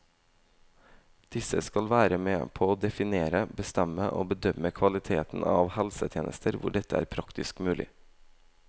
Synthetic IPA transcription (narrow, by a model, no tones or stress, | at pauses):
d̪̥ɪsəskɑlʋæːɾəmeːpʰoːoːd̪ɛfɪneːɾəbəst̪ɛməʔo̰ːbəd̪œməkʰʋɑlɪt̪ʰeːt̪n̩ɑ̰ːʋhɛlsət̪ʰjeːnə̰st̪ʰəɾʋʊ̰ɖɛt̪əæ̰ːɾpʰɾɑkt̪ɪskmʉːlɪ̰